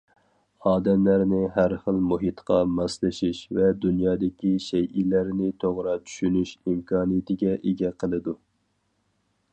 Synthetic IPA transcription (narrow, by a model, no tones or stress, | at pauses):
ɑːd̪ɛmlæɾnɪɦæɾχəlˠmuɦit̪qʰɑmɑslˠɨʃiʃvɛd̪unjɑːd̪ɪkʲiʃɛjʔilæɾnɪt̪ʰoʁɾɑt͡ʃʰy̥ʃynyʃimkʰɑːnɨjɪt̪ʰɪɡʲɛʔeɡʲɛqʰəlˠɨd̪u